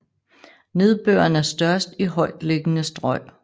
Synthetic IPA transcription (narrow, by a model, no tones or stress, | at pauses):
ne̝ð̞ˠb̥ø̰ːɐnæɐsd̥ɶɐsd̥iɦɒ̽ɪ̰d̥le̝ɡ̥ənəsd̥ʁɒɪ̰